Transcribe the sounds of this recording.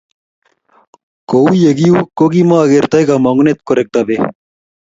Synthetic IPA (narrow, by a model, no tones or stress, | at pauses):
koujeɡiukoɡimaɐɡeɾt̪ɐjɡamɐŋɡunet̪̚koɾek̚t̪ɐbe